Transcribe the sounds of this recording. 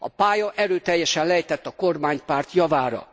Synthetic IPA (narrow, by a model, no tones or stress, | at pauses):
ɒ̰paːjɒʔɛɾøːt̪ɛjːɛʃɛnlɛɛjt̪ɛt̪ːɒko̞rmaːɲpaːrt̪jɒvaːɾɒ̰